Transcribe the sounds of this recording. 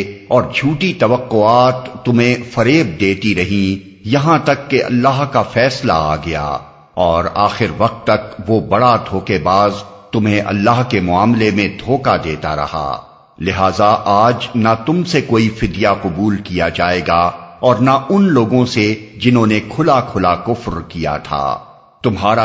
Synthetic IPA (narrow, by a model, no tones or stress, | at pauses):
ɔːɾd͡ʒʱuːʈit̪ɐʋəqːʊaːt̪ːʊmɦẽfɐɾeːb̚d̪eːt̪iɾɐɦĩ | jɐɦãt̪ɐkːeʔɐ̰lːaːɦkafɛːsla̰a̰ɡɐja̰ː | ɔːɾaːxɪɾʋɐq̚t̪ːɐkʋobɐɽad̪ʱoːkebaːzt̪ʊmɦẽʔɐ̰lːaːɦkemʊaːmlemẽd̪ʱoːkad̪eːt̪a̰ɾɐ̰ɦa̰ | lɪɦaːzaʔaːd͡ʒnat̪ʊmsekoːifɪd̪jaqʊbuːlkijad͡ʒaːeːɡaɔːɾnaʔʊnloːɡõsed͡ʒɪnɦõːnekʰʊlakʰʊlakʊfɾkija̰t̪ʰa̰ː | t̪ʊmɦaːɾa